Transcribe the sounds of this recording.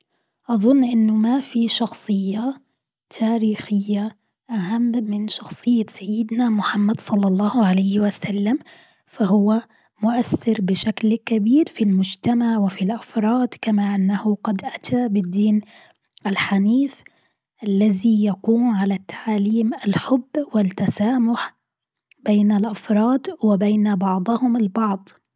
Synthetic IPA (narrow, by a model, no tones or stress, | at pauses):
ʔɑðˤʊnːʔɪnːʊmafiʃɑxsˤɨjːa | t̪ʰaːɾiːxɪjːa | ʔaɦamːɪnʃɑxsˤɨjːasajːɪd̪namʊħamːad̪sˤɑlːɑlˤːɑːhʕalajhwasalːam | fahʊwa | mʊʔaθːɪɾbɪʃaklkabiːɾfilmʊd͡ʒt̪amaʕwɪfilʔafɾˤɑːd̪kamaʔɪnːahʊɡɑd̪ʔat̪ʰabɪd̪ːiːn | ʔalħaniːf | ʔalːaðijakuːmʕalat̪ʰːḁʕaːliːmʔalħʊbːwɪt̪ːasaːmʊħ | b̥eːnalʔafɾˤɑːd̪wɪbeːnabɑʕd̪ˤʊhʊmalbɑʕd̪ˤ